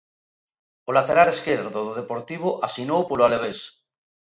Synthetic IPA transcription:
olat̪eɾaleskeɾðoðoð̞epoɾt̪iβ̞oʔasinowpoloaleβ̞es

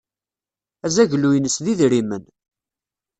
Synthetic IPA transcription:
æzæʝlujənəsðiðɾimən

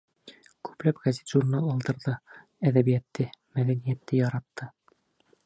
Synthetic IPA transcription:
kʉ̥plæpɡæzit̪ʒurnɑlˠɒlˠd̪ɤ̆ɾðɤ | æðæβijæt̪ːɘmæðænijæt̪ːɘjɒɾɑt̪ːɤ

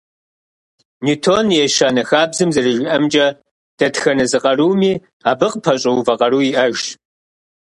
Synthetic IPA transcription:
nitʰoːnjɛʃaːnɐxaːbzɨmzɐrɨʒɪʔɐmt͡ʃʼɐ | d̥ɐtxɐnɐzɨqʼɐruːmiː | aːbɨqpʰɐɕʼɐwvɐqɐruːjiʔɐʒ

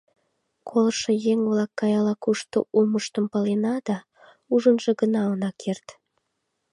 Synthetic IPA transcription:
kʰolʃejeŋβlɑkːɑjɑlɑkuʃt̪o̰ʔuməʃt̪əmpəlenɑd̪̥ɑ | uʒənʒeɣənɑonɑkʰert̪

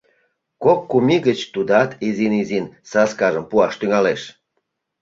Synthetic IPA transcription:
kokːumʲiɣət͡ɕt̪ud̪ɑt̪izinizinsɑskɑʒəmpuɑʃt̪yŋɑleʃ

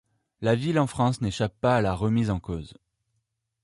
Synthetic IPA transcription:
lavilɑ̃fχɑ̃sneʃapːaːlaʁəmizɑ̃koːz

